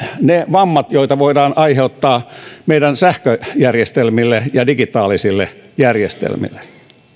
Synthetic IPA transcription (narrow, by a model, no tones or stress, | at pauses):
neʋɑmːɑt̪joit̪ɑʋoidɑːnʔɑiheut̪ːɑːmeidænsæhkøjærjest̪elmilːejɑdiɡit̪ɑːlisilːḛjærjest̪ḛlmḭlːˑe̥